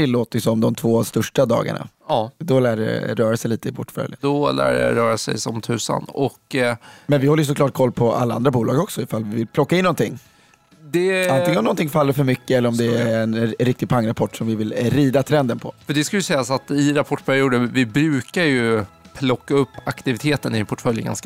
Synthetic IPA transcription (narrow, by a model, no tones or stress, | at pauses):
ɪlːoːt̪əsɔmd̪ɔmt̪ʰvoːast̪ɵʂʈad̪ɑ̰ːɡa̰ɳa̰d̪ɔlæːɖɛ̰ɾœːɾasɛjliːt̪əɪpʰɔʈːfœ̰ljə̰nd̪ɔlæ̰ːɖ̰ja̰ɾœːɾasɛ̰jsɔmt̪ʰʉ̟ːsa̰nɔkːmɛnvɪhɔlːəjʏs̬ɔklɑːʈ̚kʰɔlːpʰɔa̰lːaand̪ɾabuːlɑːɡɔksɔɪfalvɪvɪlpʰlɔkːaɪnːɔnt̪ʰɪŋː | d̪ɛanɪŋənɔmnɔnt̪ɪŋfalːəɾfœɾmʏkːəɛlːəɾɔmd̪ɛæɛnɾɪk̚t̪ɪɡpʰaŋːɾapʰɔʈːʂɔmvɪvɪlɾiːd̪at̪ʰɾɛnd̪ənpʰɔfœɖɛskaləjʏsɛjːasat̪ɪɾapʰɔʈːpʰæɾɪuːd̪əvɪbɾʉ̟ːkaɾjɵpʰːlɔkːaɵpːakt̪ɪvɪt̪ʰeːt̪ənɪpʰɔʈfœljə̰ɡa̰nsk